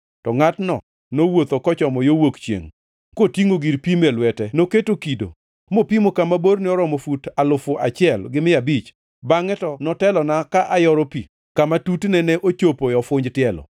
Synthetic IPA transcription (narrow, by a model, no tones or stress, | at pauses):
tɔŋatnɔ̰ | nowot̪okɔt͡ʃɔmɔjowokt͡ʃjḛŋ | kotiŋoɡiɾpimɛlwɛtɛnoketokido̰ | mopimokamaboɾnɪɔɾɔmɔfutalʊfʊʔat͡ʃɪɛlɡɪmɪabit͡ʃ | baŋɛtɔnɔtɛlɔnakaʔajɔɾopḭ | kamatutnɛnɛʔot͡ʃopojɔfʊɲd͡ʒtɪɛlɔ̰